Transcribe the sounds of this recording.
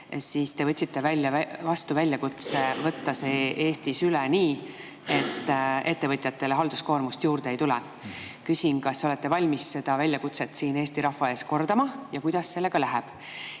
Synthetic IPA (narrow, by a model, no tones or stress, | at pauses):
siːst̪e̞vɤt̪ʲsit̪ːe̞vælʲːjɑvɑst̪uvælʲjɑkut̪se̞vɤ̞t̪ːɑsee̞ːst̪isylɛniː | e̞t̪ːˑe̞t̪ːe̞vɤt̪ʲˑjɑt̪ːe̞leɦɑld̪̥usko̞ːrmust̪juːrd̪̥eejt̪ulɛ̰ | kysʲinkɑsːo̞le̞t̪ːe̞vɑlʲmisse̞d̪̥ɑvælʲjɑkut̪set̪siːne̞ːsʲt̪iɾɑhːɑe̞ːsko̞rd̪̥ɑmɑjɑkujd̪̥ɑsːe̞lːe̞ɡ̥ɑlæɦɛb̥